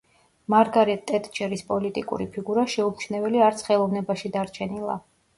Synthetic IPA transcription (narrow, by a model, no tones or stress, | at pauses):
maɾɡaɾɛt̪ʼːɛt̪ʼd͡ʒɛɾispʼɔlit̪ʼḭkʼṵɾipʰiɡuɾaʃɛupt͡ʃʰnɛvɛliaɾt̪sʰχɛlˠɔvnɛbaʃid̪aɾt͡ʃʰɛnilˠa̰